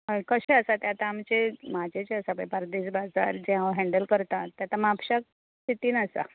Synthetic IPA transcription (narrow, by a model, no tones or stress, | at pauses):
ɦəjkəɕeəsat̪jat̪aːmt͡ɕemad͡ʑet͡ɕeəsabɭepaɾd̪iːsbad͡za̰ɾd͡ʑẽɦaɦɛ̃ɳɖəlkəɾt̪at̪ːjat̪amapɕak̚ | t̪it̪iːnasa̰